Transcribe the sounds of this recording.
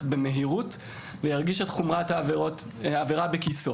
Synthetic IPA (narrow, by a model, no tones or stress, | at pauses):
beme̞ɦiʁut | vejaʁɡiʃet̪χumʁat̪avo | aveʁabekiso